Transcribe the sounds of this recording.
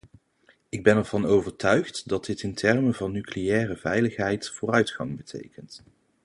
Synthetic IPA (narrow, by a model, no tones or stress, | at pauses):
ɪɡ̚bɛnɛɹv̥ɑnowvəɹtœɥχtdɑd̚ɪtɪntʰɛɹməvɑnːyklejɛːrəvɛjləχɦɛjtfʊːrœɥtχɑŋbətʰḛjkənt